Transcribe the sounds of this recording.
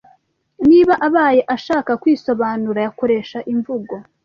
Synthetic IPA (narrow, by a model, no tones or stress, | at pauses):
niːβaʔaβaːje̞ʔaʃaːkakwiːso̞βaːnuɾajako̞ɾe̞ʃaʔiɱvuɡo̞